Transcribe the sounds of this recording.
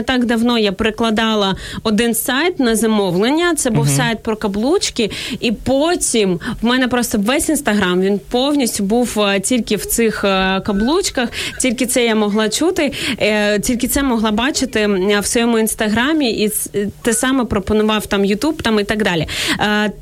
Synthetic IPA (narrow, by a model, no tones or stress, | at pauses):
t̪ɑɡd̪ɐwnɔjapeɾɪklˠɐd̪ɑlˠɐɔd̪ɪnsɑjt̪nɐzɐmɔwlˠenʲːɐt̪sɛbuwsɑjt̪̚pɾɔkɐblˠut͡ʃkɪipotʲimwmɛnɛpɾɔst̪ɔʋɛsʲinst̪ɐɦɾɑmʋʲinpɔwnʲisʲtʲʊbuwtʲilʲkɪwt̪sɪxkɐblˠut͡ʃkɐxtʲilʲkɪt̪sɛjamɔɦlˠɑt͡ʃut̪ɪ | tʲilʲkɪt̪sɛmɔɦlˠɑbɑt͡ʃɪt̪ɪwsʋɔjɔmʊinst̪ɐɦɾɑmʲiʔit̪ɪsɑmɛpɾɔpɔnʊʋɑwt̪ɑmjʊt̪ubt̪ɑmit̪ɑɡd̪ɑlʲi